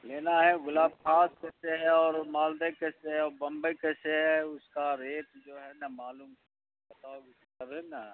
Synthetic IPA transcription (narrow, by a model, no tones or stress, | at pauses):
leːnaɦɛɣʊlaːb̚kʰaːskɛːseɦɛɔːɾmaːld̪ekɛːseɦɛɔːɾbɐ̃mbəkɛːseɦɛʊskaɾeːʈd͡ʒoːɦɛnɐmaːluːm | bɐt̪aːoɡɪs | əɾɦɛna